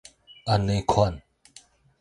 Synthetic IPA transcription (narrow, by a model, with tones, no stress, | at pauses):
ʔa˨ne˨˧˦kʰɔ˧˨n